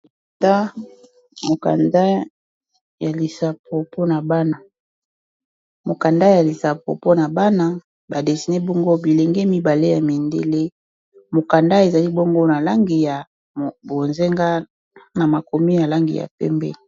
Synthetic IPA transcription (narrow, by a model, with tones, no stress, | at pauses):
ta˦ | mo˨ka̰˨nda˦ | ja˨li˨sa˨pʰo˨po˦na˨ba˦na˨ | mo˨ka˨nda˦ja˨li˨sa˨po̰˨po˦na˨ba˦na˦ | ba˨de˨si˨ne˦bɔ˦ŋɡo˦bi˨le˨ŋɡe˦mi˦ba˨le˦ja˨mi˨ndḛ˦le˦ | mo˨ka˨nda˦e˨za˨li˦bɔ˦ŋɡo˦na˨la˦ŋɡi˨ja˨ | bo˨nze˦ŋɡa˦ | na˨ma˨ko˨mi˦ja˨la˦ŋɡḭ˨ja̰˨pɛ̰˦mbɛ̰˦˨